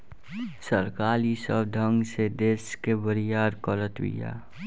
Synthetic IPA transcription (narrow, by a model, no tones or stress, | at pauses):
səɾkaːlisəbd̪ʱə̃ŋɡsed̪eːskebəɾijaːɾkɔlət̪wḭja̰ː